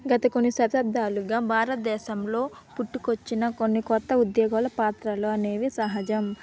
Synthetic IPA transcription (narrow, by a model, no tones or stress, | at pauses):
ɡɐt̪ɐko̞nːisɐt̪ɐb̚d̪ʱaːluɡaːbʱaːɾɐt̪̚d̪ɛːʃɐmlo̞ː | puʈːukot͡ʃːinɐkonːikɔt̪ːɐud̪jɔːɡɐlɐpaːt̪ɾɐloɐne̞ːʋisɐɦɐd͡ʒɐm